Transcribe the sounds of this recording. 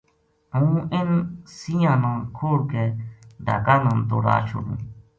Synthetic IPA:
əũːɪnsijãːnãːkʰoːɽkeːd̪ʱa̰ːkaːnə̃nt̪oːɾa̰ːt͡ʃʰʊ̰ɽṵ̃ː

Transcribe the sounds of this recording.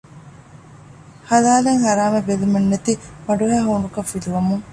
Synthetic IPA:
hɐlaːleŋhɐɾaːmebelumenːet̪imɐɖuɦæːɦoːɳɖukɐfːiluʋɐmuŋ

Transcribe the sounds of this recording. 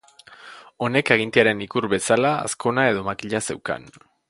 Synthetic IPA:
o̞ne̞keɣ̞int̪eaɾe̞nikuɾβe̞salaa̰sko̞nae̞ð̞o̞makiʎase̞wka̰n

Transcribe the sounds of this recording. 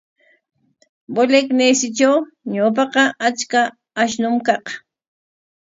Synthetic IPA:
boleknejsɪt͡ʃaw | ɲap̬ɑqɑʔat͡ʃka | aʃnʊmkɑq

